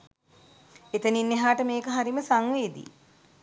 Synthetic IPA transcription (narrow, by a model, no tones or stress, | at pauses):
et̪əninːeɦaːʈəmeːkəɦaɾiməsaŋʋeːd̪ḭ